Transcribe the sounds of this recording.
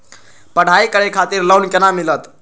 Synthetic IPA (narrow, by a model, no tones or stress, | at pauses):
pəɽ̤ʱaikəɽekʰat̪iɾləwnkenamːilət̪